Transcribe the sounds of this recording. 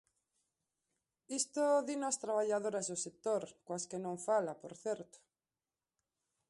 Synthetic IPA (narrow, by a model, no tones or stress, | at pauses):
ist̪oðinoast̪ɾaβaʎaðoɾazðosek̚t̪oɾkwaskenõɱfalapoɾθjeɾt̪o̥